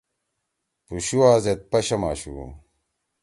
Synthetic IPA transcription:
puɕuwaːzet̪̚pɐɕɐma̰ːɕṵ

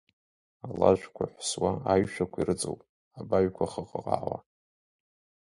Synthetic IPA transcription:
alaʒʷᶣkʷʰa̰ħʷswaaɥʃᶣakʷʰairɨt͡sʼowpʼ | abaɥkʷʰaχəqʼəqʼa̰ʕʷwʷa̰

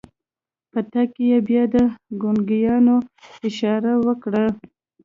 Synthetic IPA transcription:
pət̪akejebjɑd̪əɡonɡijɑnoɪʃɑɾawəkɽa

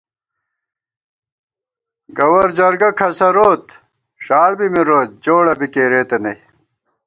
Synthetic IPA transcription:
ɡɐwɐɾd͡ʑɐɾɡɐkʰɐsɐɾoːt̪ | ɕaːɽbimiɾoːt̪̚d͡ʑoːɽɐbikeːɾeːt̪enɐj

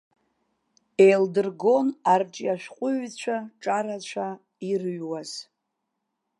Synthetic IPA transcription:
ejldɨrɡo̞narʈ͡ʂʼiaʃᶣqʷʼʊɥt͡ɕʷʰaʈ͡ʂʼaɾat͡ɕʷt͡ʃʷʰa | irɥwaz̥

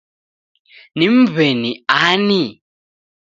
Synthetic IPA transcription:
nim̩βeniani

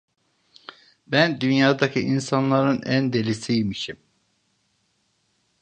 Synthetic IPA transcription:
bænd̪ynjaːd̪acʰiʔinsanlˠaɾɯnænd̪e̞lisijmiʃim

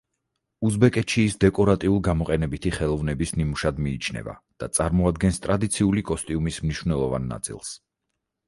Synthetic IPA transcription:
uzbɛkʼɛt̪ʃiːsd̪ɛkʼɔɾat̪ʼiulˠɡamɔqʼɛnɛbit̪ʰiχɛlˠɔvnɛbisnimuʃad̪miːt͡ʃʰnɛ̰va̰d̪̥at̪sʼaɾmɔad̪̚ɡɛnst̪ʼɾad̪it̪sʰiulikʼɔst̪ʼiumismniʃwvnɛlˠɔva̰nːa̰t̪sʼḭlˠs

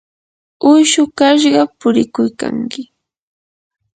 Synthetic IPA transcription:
ʊjʃʊkaʃ̬ɢɑpʊɾɪkʊjka̰ŋkɪ

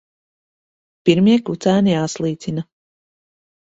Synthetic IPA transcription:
piɾmʲiɛkut̪sæːnijaːslˠiːt̪sina

